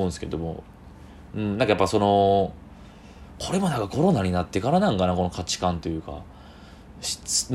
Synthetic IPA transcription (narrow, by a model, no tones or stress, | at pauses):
nsɨ̥ke̞ɾed̪omo̰ | ɯ̟̃ɴnãŋkajapːaso̞no̞ | kʰo̞ɾe̞monãŋkako̞ɾo̞naɲ̟inat̪ːe̞kaɾanãŋkanako̞no̞kʰat͡ɕi̥kãnt̪o̞jɯ̟ːka̰ | ɕi̥n